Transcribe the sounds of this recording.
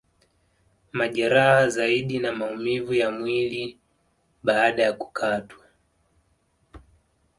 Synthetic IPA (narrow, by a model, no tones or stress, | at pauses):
maʄaɾahazaiɗinamaumivujamwili | ɓaːɗajaku̥kʰatwa